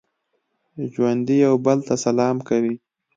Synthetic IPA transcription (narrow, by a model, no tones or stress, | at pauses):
ʒwand̪ijawbəlt̪asalɑmkawi